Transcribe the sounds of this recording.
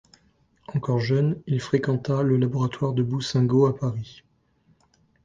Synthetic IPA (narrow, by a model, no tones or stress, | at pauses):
ɑ̃kɔʁʒœnilfχekɑ̃t̪aləlabɔʁat̪waʁd̪əbusɛ̃ɡoapaʁi